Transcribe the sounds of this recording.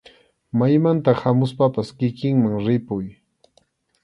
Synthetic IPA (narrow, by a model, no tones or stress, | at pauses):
majmant̪ahamʊspapaskɪkɪŋmaŋɾɪpʊj